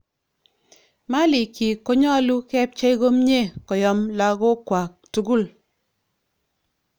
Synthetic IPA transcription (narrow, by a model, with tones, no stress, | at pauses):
ma˦lɪ˨ki˨ko˦ɲɔ˦lu˦kɛ˦p̚t͡ʃa˦i˦ɡo˦mɲe˦˨kɔ˨jɔ˨˦mla˦ɡo˦kwa˨k̚tu˨ɡu˦˨l